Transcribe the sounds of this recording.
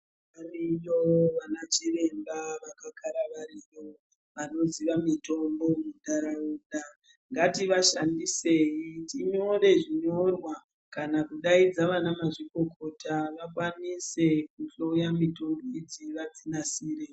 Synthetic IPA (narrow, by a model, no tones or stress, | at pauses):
ʋ | arijoʋanat͡ʃire̞mbaʋakakʰaɾaʋarijo̞ | ʋano̞ziʋamito̞mbo̞mudaɾauːɗa | ŋɡatiʋaʃandise̞jitiɲo̞ɾe̞ʐiɲo̞rwa | kanakuɗaid͡zaʋanamaʐiko̞kʰo̞taʋakwanise̞kuɬojamito̞mboid͡ziʋad͡zinasiːre